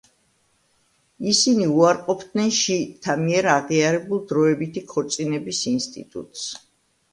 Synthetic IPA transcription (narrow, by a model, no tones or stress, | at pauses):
isiniuaɾqʼɔpʰd̪nɛnʃit̪ʰamiɛɾaʁiaɾɛbulˠd̪ɾɔɛbit̪ʰikʰɔɾt̪sʼinɛbisinst̪ʼḭt̪ʼṵt̪ʼs